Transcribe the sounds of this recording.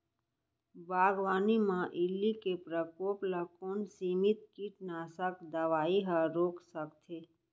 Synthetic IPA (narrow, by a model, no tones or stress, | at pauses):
baːɡʋaːnimãʔɪlːikepɾəkoːpləkoːnsiːmit̪̚kiʈnaːsəkd̪əʋaːiɦəɾoːksəkt̪ʰeː